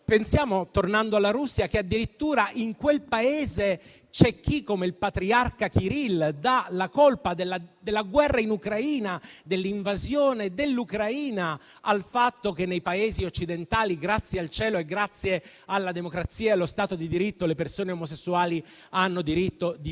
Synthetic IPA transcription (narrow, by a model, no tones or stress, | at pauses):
pensjaːmot̪ornand̪oalːaɾusːjakead̪ːiɾit̪ːuːɾaʔiŋkwelpaeːze | t͡ʃɛk̟ːikːomeilpat̪ɾiarkak̟iɾild̪alakolpad̪elːad̪elːaɡwɛrːainukɾaiːnad̪elːiɱvazjoːned̪elːukɾaiːna | alfat̪ːokenːejpaeːziot͡ʃːid̪ent̪aːliɡɾat̪sːjealt͡ʃɛːloeɡɾat̪sːje | alːad̪emokɾat̪sːiːaelːost̪aːt̪od̪id̪iɾit̪ːolepersoːneomosesːuaːli | anːod̪iɾit̪ːod̪i